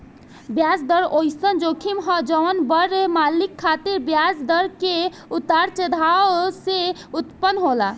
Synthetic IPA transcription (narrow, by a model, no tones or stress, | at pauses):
bjad͡ʒd̪əɾojsənd͡ʒokʰimɦəd͡ʒənbəɾemalikʰːat̪iɾbjad͡ʒd̪əɾke | ut̪aɾt͡ʃəd̪ʱaseut̪pənɦola̰